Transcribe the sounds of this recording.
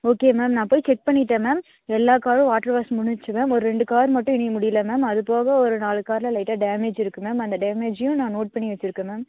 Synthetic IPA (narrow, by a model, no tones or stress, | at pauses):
oːkeːmeːmnãːpoːjt͡ʃɛk̚pɐɳːɪʈːẽːmaːm | ɛlːaːkaːɾɯ̃ʋaːʈːɐɾʋaːsmʊɳɪt͡ʃːɯmaːmɔɾɯɾɛɳɖɯkaːɾmɐʈːʊ̃ɪɳɪmʊɽɪjɐlɐmaːmɐðɯpoːɣɐɔɾɯnaːɭɯkaːɾlɐlɐɪʈːaːɖaːmeːd͡ʒɪɾɯkːɯmaːmɐnd̪ɐɖaːmeːd͡ʒjʊ̃nãːnoːʈ̚pɐɳːiʋɐt͡ʃːɪɾɯkːẽmaːm